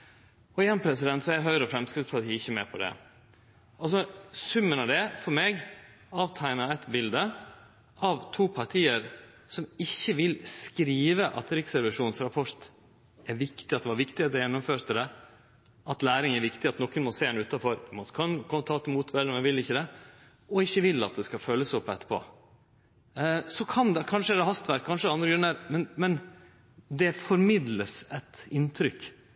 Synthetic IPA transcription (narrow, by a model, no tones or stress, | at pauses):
ɔɪjɛnpʰɾɛsɪd̪ɛnt̪sɔæɦœʏɾɔfɾɛmskɾɪft̪spɑɾt̪ʰiːɪçːəmɛːpʰɔd̪ɛ̰ | ɑls̬ɔsʉmːənɑd̪ɛfɔɾmeːɡ | ɑːʋt̪ʰæɪnɑɛt̪bɪld̪ə | ʔɑʋt̪ʰuːpʰɑɾʈ̪ʰiːəɾ | sɔmɪçːəʋɪlskɾiːʋəʔɑ̰t̪ɾɪksɛɾʋəʂuːnsɾɑpʰɔɾt̪ | æɾʋɪkt̪ɪɑt̪̚d̪ɛʋɑɾʋɪkt̪ɪɛt̪ːɔjɛnːʊmføːɾt̪əd̪ɛ | ɑt̪læːɾɪŋæɾʋɪkt̪ɪɑt̪nɔkːənmɔseːd̪ɛnʉːt̪ɑfɔɾmɑnkʰɑnkʰɔmːt̪ʰɑːt̪ːmuːt̪ʰʋɛlːəmɛnʋɪlɪçːəd̪ɛ | ɔɪçːəʋɪlːɑt̪̚d̪ɛskɑføːlːəsɔpːɛt̪ːə̥pʰo̰ː | sɔkʰɑnd̪ɛkʰɑnʂəd̪ɛɦɑst̪ʋæɾkʰɑnʂəɑnd̪ɾəɡɾʉnːæɾmɛnmɛn | d̪ɛfɔɾmɪd̪ləsɛt̪ɪnt̪ʰɾʏkː